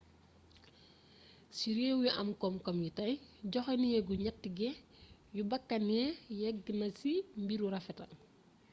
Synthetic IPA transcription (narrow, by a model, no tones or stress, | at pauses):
siɾeːwjiʔɐmkɔmkɔmjitɐjɟɔxɛnijɛɡuɲɐtːiɡɛ | jubɐkːɐnjɛjɛɡ̚ɡinɐsimbiɾuɾɐfɛtɐ̰